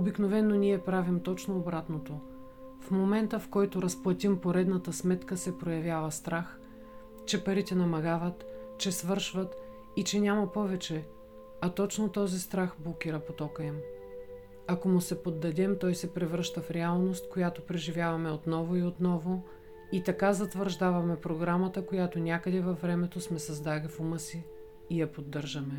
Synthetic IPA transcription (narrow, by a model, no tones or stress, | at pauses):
obiknovɛnːoniɛpɾavimt̪ɔt͡ʃnoːbɾat̪not̪o | fmomɛnt̪əfkɔjt̪oɾɐsplˠɐt̪ʲimpoɾɛd̪nɐt̪əsmɛt̪kəsɛpɾojɐvʲjavɐst̪ɾax | t͡ʃɛpɐɾit̪ɛnɐmɐɡavət̪t͡ʃɛsvɤɾʃvɐt̪ | it͡ʃɛnʲamɐpɔvɛt͡ʃɛ | ɐt̪ɔt͡ʃnot̪ɔzist̪ɾaxblˠokʲiɾəpot̪ɔkəɛm | ɐkomʊsɛpod̪ːɐd̪ɛmt̪ɔjsɛpɾɛvɾəʃt̪əfɾɛalˠnost̪̚kojat̪opɾɛʒivʲjavɐmɛot̪nɔvoiot̪nɔvo | it̪ɐkazɐt̪vəɾʒd̪avɐmɛpɾoɡɾamɐt̪əkojat̪onʲakəd̪ɛvɐfːɾɛmɛt̪osmɛsɐzd̪alifuməsiː | jɐpod̪ːɤɾʒɐmɛ